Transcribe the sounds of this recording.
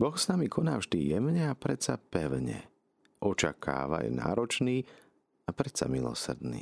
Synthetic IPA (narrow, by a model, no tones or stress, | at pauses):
bɔxsnamikʰɔnaːvʒd̪ijɛmɲɛapɾɛtsapɛʊɲɛ̰ | ʔɔt͡ʃakʰa̰ːʋa̰jɛ̰na̰ːɾɔt͡ʃniː | apɾɛsa̰milɔ̰sr̩d̪nḭː